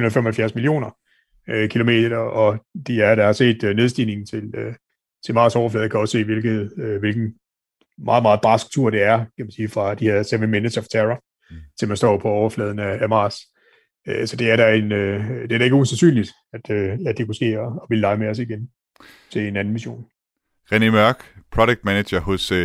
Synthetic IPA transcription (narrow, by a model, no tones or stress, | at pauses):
unɐð̩ˠfemɒ̽hæl̩fjæɐsmilio̝̰ːnɐ | kʰilo̝me̝̰ːd̥ɐd̥ɐɒ̽d̥iæɐd̥ɑ̈hɑ̈se̝̰ːd̥ne̝ð̞ˠsd̥iːne̝ŋn̩t͡sʰe̝lø | t͡sʰe̝lmɑ̈ːsɒʊɐflɛːð̩ˠkʰæɒ̽sse̝̰ːʋe̝lɡ̥ð̩ˠʋe̝lɡ̥n̩ | mɑ̈ːð̞̩ˠmɑ̈ːðˠb̥ʁɑ̈sɡ̥̚t͡sʰuɐ̰ɾ̥e̝æɐkʰæmænsiːfʁɑ̈d̥iheɐ̰seʋəmenəsʰɒft͡sʰeʁɐ | t͡sʰe̝mænsd̥ɒ̰ːpʰɒ̽ɒʊɐflɛ̰ːðˠn̩ææmɑ̰̈ːs | øsɒ̽d̥e̝æɐɾ̥æe̝nød̥e̝ɐdɾæ̈e̝ɡəusænsy̰ːnlid̥ | æd̥øæd̥e̝kusɡ̥e̝̰ːɒ̽ːʋilːɑ̈ɪmeɒ̽siɡ̥en | t͡sʰe̝le̝næn̩ʋiɕo̝̰ːn | ʁenimɶɐɡ̥pʰʁɒdeɡ̥̚d̥mæneɕɐhɔ̽s